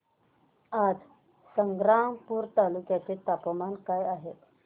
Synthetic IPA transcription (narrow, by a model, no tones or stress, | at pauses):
ad͡z | səŋɡɾampuːɾt̪alukjat͡set̪apəmankajaɦet̪